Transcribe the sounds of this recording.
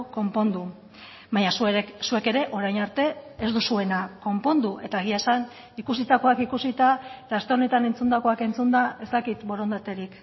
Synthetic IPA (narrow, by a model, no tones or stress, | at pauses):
ko̞mpo̞nd̪u | baɲasue̞ke̞ɾe̞ʔo̞ɾajnaɾt̪e̞ːzd̪usue̞nako̞mpo̞nd̪uʔe̞t̪aeɣ̞iaesan | ikusit̪ako̞akikusit̪aet̪ast̪e̞o̞ne̞t̪ane̞nt͡sund̪ako̞ake̞nt͡sund̪ae̞st̪akit̪bo̞ɾo̞nd̪at̪e̞ɾik